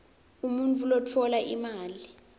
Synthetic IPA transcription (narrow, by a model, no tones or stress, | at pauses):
umunt͡fʼulot͡fʰɔlaʔḭmaːli